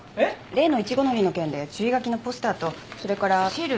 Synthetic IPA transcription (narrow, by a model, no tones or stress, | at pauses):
ɾe̞ːno̞it͡ɕiɡo̞no̞ɾʲino̞kẽ̞nd̪e̞t͡ɕɨiɡak̬ʲino̞po̞sɨ̥t̪aːt̪o̞so̞ɾe̞kaɾaiɾ